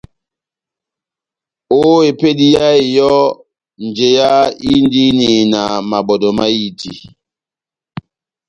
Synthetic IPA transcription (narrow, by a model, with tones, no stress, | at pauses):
o˦e˨pe˦di˦ja˦e˨jɔ˦ | n̩˨d͡ʒe˨ja˦i˦n˦di˦ni˨na˨ma˨bɔ˨dɔ˨ma˦i˦tḭ˨